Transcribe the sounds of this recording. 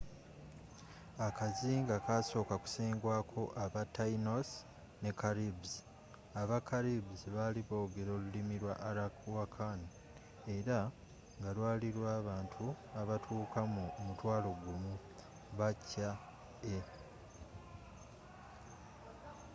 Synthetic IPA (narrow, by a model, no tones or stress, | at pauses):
akaziːŋɡakaːso̞ːkaku̥seːŋɡwaːkʰo̞ʔaβatːaino̞s | ne̞kaɾibzi | aβakaɾibziβaliβo̞ːɡe̞ɾo̞ːlulimiɾwa̰ʔaɾawakʰan | e̞ɾa | ŋɡalwaːliɾwaːβaːntʰuaβatʰuːkʰamumutwaːlo̞ɡumu | βacːa | e